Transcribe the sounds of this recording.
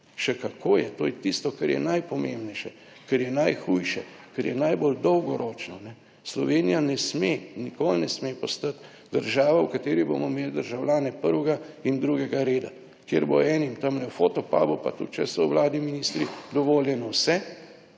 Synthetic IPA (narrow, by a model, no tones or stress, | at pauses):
ʃɛkakʰoːjɛt̪oːjɛt̪ist̪ɔkɛɾjɛ̰najpɔmembnɛjʃɛ | kɛɾjɛnajxujʃɛ̰ | kɛɾjɛnajbold̪ɔwɡɔɾɔːt͡ʃnɔnɛ | slɔʋeːnijanɛsmenikolnɛsmepɔst̪at̪ | d̪əɾʒaːʋawkat̪eːɾibo̰mɔmeːld̪əɾʒawljaːnɛpəɾwɛɡaind̪ɾuɡɛɡaɾeːd̪a | kjḛɾbo̰ɛːnimt̪ɐmlɛwfot̪ɔpa̰ːbupa̰t̪ut̪̚t͡ʃɛsɔwwlaːd̪niminist̪ɾid̪ɔʋoːljɛnɔwsɛ